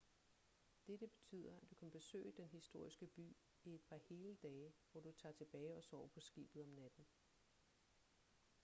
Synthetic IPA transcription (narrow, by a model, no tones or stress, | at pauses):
d̥ed̥əb̥e̝̥t͡sʰy̰ːð̞̰ˠɐæd̥ukʰænb̥e̝sø̰ːɪd̥enɦisd̥o̝ɐ̰isɡ̥əb̥y̰ː | ie̝d̥pʰɑ̈he̝ːləd̥ɛːʋɒd̥ut͡sʰɑ̈ːt͡sʰe̝b̥ɛːɪɒ̽sɒ̰ːpʰɒ̽sɡ̥ḭːb̥ð̞̩ˠɒ̽mnæd̥n̩